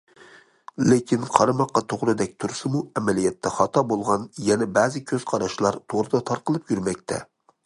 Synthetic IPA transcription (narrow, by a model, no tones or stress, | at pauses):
lekʲʰinqʰɑɾɑmɑqːɑt̪ʰoʁɾɨd̪ɛk̚ʲt̪ʰuɾsɨmuɛmɛlijɛt̪ʰːɛχɑt̪ɑbolˠʁɑnjɛnɛbɛːzɨkʲʰøz̥qʰɑɾɑʃlˠɑɾt̪ʰoʁɾɨd̪ɑt̪ʰɑɾqəlˠɨpjyɾmɛk̚ʲt̪ʰɛ̰